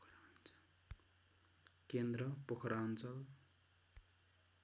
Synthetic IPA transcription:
kɾant͡s | kend̪rʌpokʰɾant͡sʌl

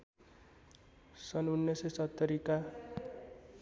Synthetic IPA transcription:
sʌnunːjʌsesʌt̪ːʌɾika

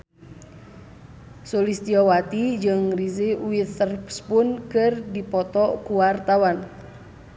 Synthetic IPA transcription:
solist̪iɔwat̪id͡ʒɨŋrizeuit̪ərpspunkɨrdipɔt̪ɔkuwart̪awan

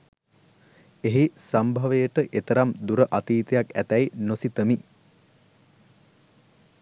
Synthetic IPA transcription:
eɦisambʱaʋəjəʈəʔet̪əɾamd̪uɾəʔat̪iːt̪ijakæt̪æjnosit̪əmi

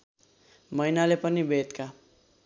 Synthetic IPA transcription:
mʌjnalepʌnibet̪ka

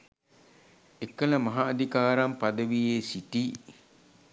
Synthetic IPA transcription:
ekələmaɦaːd̪ʱikaːɾampad̪əʋijeːsiti

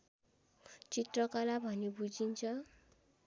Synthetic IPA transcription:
t͡sit̪rʌkalabʱʌnebud͡zint͡sʰʌ

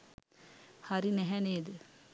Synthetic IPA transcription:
haɾinɛɦɛneːd̪ə

